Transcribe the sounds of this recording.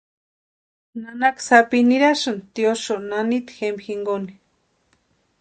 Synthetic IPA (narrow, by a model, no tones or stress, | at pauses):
nanaksapiniɾaʃɨnt̪ioʃoʔnanit̪xembixiŋɡoni̥